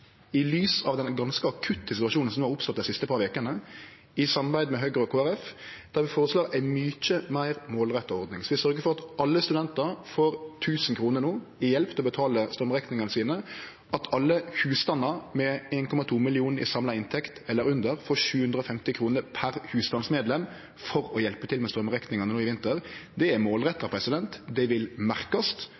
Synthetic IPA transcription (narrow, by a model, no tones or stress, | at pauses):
ɪlyːsɑʋd̪ɛnɡɑnskəɑkʰʉt̪ːəsɪt̪ʉɑʃuːnn̩sɔmʋɑɾʊpsɔt̪̚d̪æɪsɪst̪əpʰɑɾʋeːkənə | ɪsɑmɑɾbæɪd̪mɛɦøɡʁəɔkʰoːæɾɛfd̪̥æɾʋɪfoːʁəsloːɾæɪmyːt͡ʃəmæɪʁmoːlʁɛt̪ːɔɔɾd̪nɪŋsɔʋɪsœɾɡəfɔɾɑt̪ʔɑlːəst̪ʉd̪ɛnt̪əɾfoːɾt̪ʰʉːsn̩kʰɾuːnəɾnuː | ɪjɛlpt̪ʰɛɔbət̪ʰɑːləst̪œmʁɛknɪŋənəsiːnə | ʔɑt̪ʰɑlːəhʉːst̪ɑnːɑɾmɛeːnkʰɔmɑt̪ʰuːmɪlɪuːnəɪ̰sɑmlɑɪnt̪ʰɛkt̪ɛlːəɾʉnd̪əɾfoːʃʉːhʉnd̪ɾəɔfɛmt̪ɪkʰɾuːnəɾpʰæɾhʉːst̪ɑnsmeːd̪lɛm | fɔɾɔjɛlpət̪ʰɪlmɛst̪ɾœmʁɛknɪŋɑnənuːɪʋɪnt̪əɾd̪ɛæmoːlʁɛt̪ːɑpʰɾɛsɪd̪ɛnt̪d̪ɛʋɪlmæʁkɑst̪